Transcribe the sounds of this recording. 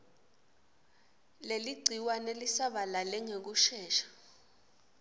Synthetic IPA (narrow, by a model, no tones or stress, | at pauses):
leliɡ͡ǀʱiwanelisaɓalalɛŋek̬uʃɛːʃḁ